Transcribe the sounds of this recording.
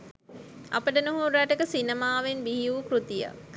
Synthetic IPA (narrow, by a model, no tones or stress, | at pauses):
a̰pəʈənuɦuɾaʈəkəsinəmaːʋenbiɦiukɾut̪ija̰k